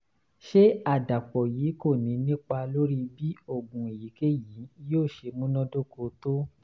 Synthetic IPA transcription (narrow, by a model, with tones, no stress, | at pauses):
ʃe˦a˨da˨k͡pɔ˨jiː˨˦ko˦˨nĩ˨˧˦nĩ˦k͡pa˧lo˦ɾi˦bi˦o˦˨ɡũ˨e˨ji˨˦ke˦ji˨˦joː˦˨ʃe˧mũ˦nɔ̃˦do˦˨ko˧to˦